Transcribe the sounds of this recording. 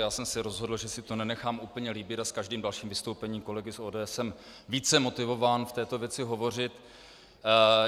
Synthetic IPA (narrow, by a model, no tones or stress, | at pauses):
jaːsɛmsɛɾo̞zɦo̞dl̩ʒɛsɪt̪o̞nɛnɛxaːmʔuːpl̩ɲɛliːbɪt̪askaʒdiːmdalʃiːmvɪst̪owpɛɲiːmko̞lɛɡɪsʔoːdɛːɛsɛm | viːt͡sɛmo̞t̪ɪvo̞vaːnft̪ɛːt̪ovjɛt͡sɪɦo̞vo̞r̝ɪt̪